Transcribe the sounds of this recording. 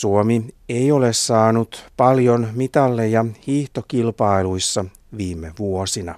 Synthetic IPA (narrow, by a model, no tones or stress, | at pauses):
suomie̞jo̞le̞ssɑːnut̪pɑljo̞nmit̪ɑlːejɑhiːht̪o̞kilpɑiluisːɑ | ʋiːmeʋuosinɑ̰